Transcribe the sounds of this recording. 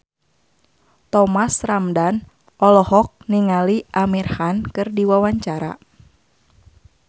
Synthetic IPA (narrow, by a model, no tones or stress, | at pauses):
t̪ɔmasramdan | ʔɔlɔhɔk̚niŋaliʔamirhankɨrdiwawaɲt͡ʃaɾa̰